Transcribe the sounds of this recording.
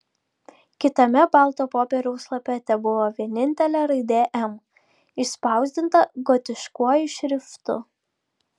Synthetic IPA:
kʲɪt̪ɐmʲɛbɑˑlˠt̪oːpoːpʲɛɾʲɛʊslˠɐpʲɛt̪ʲɛbʊʋoːʋʲiɛnʲɪnʲt̪ʲɛlʲæːɾɐɪd̪ʲeːʔɛm | ɪspɑˑʊzʲd̪ʲɪnt̪ɐɡɔt̪ʲɪʃkuɔjʊʃʲɾʲɪft̪ʊ̰

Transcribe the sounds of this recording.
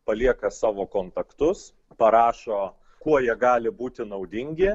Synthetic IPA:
pɐlʲiɛkɐsɑːʋoːkoːnt̪ɐkt̪ʊs | pɐɾɑːʃoː | kuɔjiɛɡɑːlʲɪbuːt̪ʲɪnɐʊd̪ʲɪŋʲɡʲɪ

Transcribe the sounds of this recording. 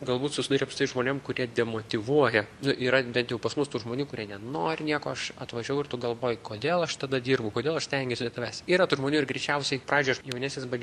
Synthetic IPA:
ɡɐlˠbuːt̪sʊsʲɪd̪ɑːɾʲɛpsɪt̪ɐɪʒmoːnʲeːmkʊɾʲiɛd̪ʲɛmoːt̪ʲɪʋuɔjɛnʊʔiːɾɐbʲɛnt̪jɛʊpɐsmʊst̪uːʒmoːnʲuːkʊɾʲiɛnʲɛnoːɾʲɪnʲiɛkoːɐʃɐ̰t̪ʋɐʒʲɛʊɪrt̪ʊɡɐlˠʋoːjʊkoːd̪ʲeːlˠɐʃt̪ɐd̪ɐd̪ʲiːrbɐʊkoːd̪ʲeːlˠɐʃsʲt̪ʲɛŋʲɡʲɛsʲɪd̪ʲɛt̪ɐʋʲæːsʲtʲiːɾɐt̪uːʒmoːnʲuːɪrɡɾʲɛɪt͡ʃʲɛʊsʲɛɪpɾɑːd͡ʒʲʊːɐʃjɛʊnʲæːsnʲeːsbɐd͡ʒʲ

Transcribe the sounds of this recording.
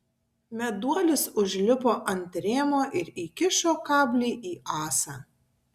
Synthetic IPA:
mʲɛd̪uɔlʲɪsʊʒʲlʲɪpoːʔɐnʲt̪ʲɾʲeːmoːʔɪɾiːkʲɪʃʲoːkɑːbʲlʲiːʔiːʔɑːsɑː

